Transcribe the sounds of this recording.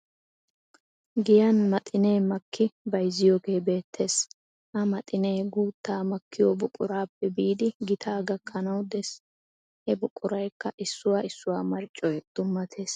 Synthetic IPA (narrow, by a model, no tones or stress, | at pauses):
ɡɪjɐnmɐt̪ʼɪne̞ːmɐkʰːɪbɐjzːɪjoːɡe̞ːbe̞ːt̪ʰːe̞ːs | ʔɐmɐt̪ʼɪneːɡuːt̪ːaːmɐkːɪjoːbʊkʼːʊɾaːpːɛbiːd̪ɪɡɪt̪ʰaːɡɐkʰːɐnɐwd̪ɛs | hɛbʊkʼːʊɾɐjkːɐʔɪsːʊwaːɪsːʊwaːmɐɾt͡ʃʼːɔjd̪̥ʊmːɐt̪ʰe̞ːs